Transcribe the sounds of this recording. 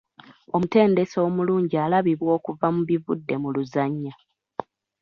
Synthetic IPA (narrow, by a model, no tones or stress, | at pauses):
o̞mute̞ːnde̞soːmuluːɲɟiaːlaβiβwo̞ːkuvamuβivudːe̞muluzaɲːa